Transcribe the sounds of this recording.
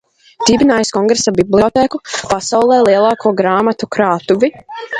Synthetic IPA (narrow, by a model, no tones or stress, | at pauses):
d̪̥iːbinaːjskɔŋɡɾesabiblˠiɔt̪ɛːkupasawlˠɛːlˠiɛlˠaːkʰuɔɡɾaːmat̪ukɾaːt̪uvi